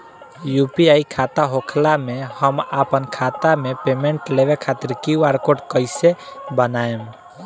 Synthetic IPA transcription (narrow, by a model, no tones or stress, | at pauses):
jupiaikʰat̪aɦokʰlamehəmapənkʰat̪amepemeɳʈlebekʰat̪iɾkiaɾkoʈkəɪsebənaem